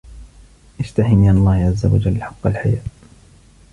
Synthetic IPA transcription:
ʔɪd͡ʒt̪ahɪminɑlˤːɑːhʕazːawad͡ʒalːħɑqːɑlħajaː

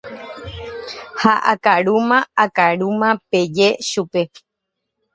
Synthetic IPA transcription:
haʔakaɾumãakaɾumãpe̞d͡ʒe̞ʃupe̞

